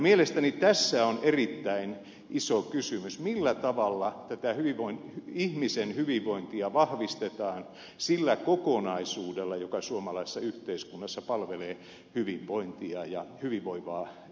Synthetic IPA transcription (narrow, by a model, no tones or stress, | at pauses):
mielest̪ænit̪æsːæonerit̪ːæin | ʔisokysymysmilːæt̪ɑʋɑlːɑt̪æt̪æhyʋiʋoinhyihmisenhyʋiʋʋoint̪iɑʋɑhʋist̪et̪ɑːn | silːækokonɑisuːdelːɑjokɑsuomɑlɑise̥sːɑyht̪eiskunːɑsːɑpɑlʋeleː | hyʋiʋʋoint̪iɑjɑhyʋiʋʋoiʋɑː